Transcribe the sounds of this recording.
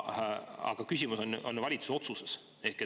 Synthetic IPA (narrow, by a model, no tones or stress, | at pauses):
ɑ̰ɡ̥ɑkys̬ʲimuso̞nʔonvɑlit̪su̥seo̞t̪suses | e̞hke